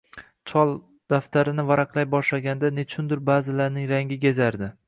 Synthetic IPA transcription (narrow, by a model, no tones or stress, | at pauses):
t͡ʃʰɒlˠ | d̪̥aft̪ʰaɾɪnɪvaɾɑqlˠajbɒʃlaɡʲand̪ane̞t͡ʃʰʊnd̪ɪɾbaːzɪlaɾnɪŋɾaŋɡʲɪɡʲezaɾd̪ɪ